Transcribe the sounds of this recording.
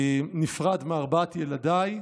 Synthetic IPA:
nifʁad̪meaʁbat̪jelad̪aj

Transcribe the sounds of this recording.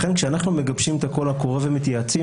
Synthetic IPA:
χe̞nkʃeanaχnume̞ɡabʃimet̪ako̞lhako̞ʁevemit̪jaːt͡si

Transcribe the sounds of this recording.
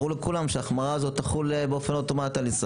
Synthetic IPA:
ulekulamʃeaχmaʁaːzo̞t̪ːaχulbeo̞fe̞not̪o̞mat̪ialisʁ

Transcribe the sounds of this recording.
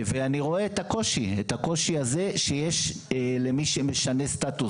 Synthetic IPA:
veaniʁo̞eːt̪hako̞ʃietako̞ʃiaze̞ʃejeʃlemiʃemeʃane̞st̪atu

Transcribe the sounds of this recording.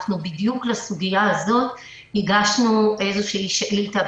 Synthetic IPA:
nubid̪juklasuɡijaazo̞t̪ | hiɡaʃnuʔe̞jzoʃiːʃelit̪a

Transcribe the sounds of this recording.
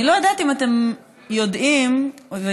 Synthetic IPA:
ilo̞jad̪at̪imat̪e̞m | jo̞dʔimve

